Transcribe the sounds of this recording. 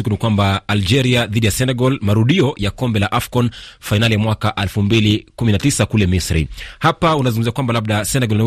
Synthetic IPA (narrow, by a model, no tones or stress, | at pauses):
ikunikwambaːld͡ʒɛɾiaðiɗijasɛnɛɡɔlmaɾuɗiɔjakɔmbɛlaʔafkɔnfainalijamwakaʔɛlfumbilikuminatisakulɛmisɾḭhapaunazuŋɡumziakwambalaɓ̚ɗasɛnɛɡɔlni